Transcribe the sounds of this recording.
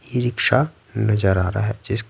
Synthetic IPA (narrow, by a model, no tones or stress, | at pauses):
jeɾɪkʃa | nɐzəɾaːɾaɦɛd͡ʒɪsk